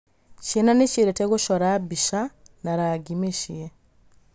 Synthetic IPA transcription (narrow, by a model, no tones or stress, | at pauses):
cenaneciɾeteɣuʃoɾabiʃa | naɾaɡimeʃie